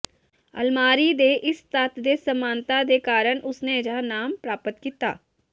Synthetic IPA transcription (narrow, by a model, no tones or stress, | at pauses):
ɐ̰lmaːɾid̪eʔɪst̪aːt̪d̪esɐmãːnt̪ad̪ekaːɾəɽ̃ʔʊsned͡ʒanaːmpɾaːpət̪kiːt̪a̰ː